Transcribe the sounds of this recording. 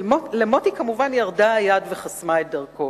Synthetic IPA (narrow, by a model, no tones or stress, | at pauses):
olemotikamuvanjaʁdajadve̞χasmaet̚dɐʁko̞